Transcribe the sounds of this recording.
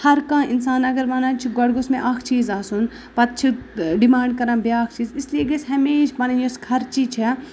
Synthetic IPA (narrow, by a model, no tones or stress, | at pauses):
hɐɾkãːɪnsaːnɐɡɐɾʋaːnãːt͡ʃʰiɡɔɽɡosmẽʔakʰt͡ʃiːzaːsun | pɐt̪̚t͡ʃʰiɖimaːɳɖkɐɾãːbeaːk̚ʰt͡ʃiːzislieɡɐsɦɐmeːʃpɐnɐnjoskʰɐɾt͡ʃit͡ʃʰi